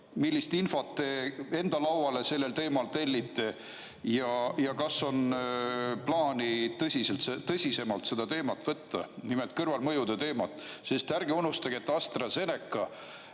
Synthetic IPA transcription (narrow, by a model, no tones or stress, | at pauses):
milʲːist̪info̞t̪ːe̞e̞nd̪̥ɑlɑwwɑle̞se̞lːe̞lt̪e̞ːmɑlt̪e̞lʲːit̪ːe̞ | jɑjɑkɑso̞n | plɑːnit̪ɤsʲiselt̪set̪ːɤsʲise̞mɑlt̪se̞d̪̥ɑt̪e̞ːmɑt̪ːvɤt̪ːɑ̰nimelt̪̚ˑkɤrvɑlmɤjud̪et̪e̞ːmɑt̪ːˑsest̪æɾɡeunːust̪ɑɡiet̪ːɑst̪rɑse̞ne̞kːˑɑ